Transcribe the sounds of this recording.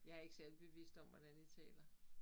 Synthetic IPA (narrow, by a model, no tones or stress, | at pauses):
jɑ̈æɐe̝ɡ̥sælb̥e̝ʋḭsd̥ɒ̽mʋɒd̥ænit͡sʰɛ̰ːlɐ